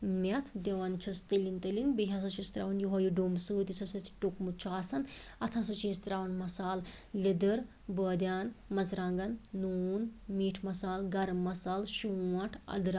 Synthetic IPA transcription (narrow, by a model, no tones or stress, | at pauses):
mʲɐt̪ʰd̪eʋɐnt͡ʃʰɐst̪ilint̪ɐlinbiɦʲas̬ɐt͡ʃʰist̪ɾa̰ʋɐnjuɦojuɖomsuːt̪it͡sʰɐsɐt͡sʈukmut͡ʃʰaːsɐnɐt̪ʰɐsɐt͡ʃʰist̪ɾaːʋɐnmɐsaːl | lid̪əɾ | bəːd̪ʲjaːnmɐt͡sʰɾaŋɡɐnːuːnmiːʈʰmɐsaːlɡɐɾmɐsaːlʃuɐʈʰɐ̰d̪ɾ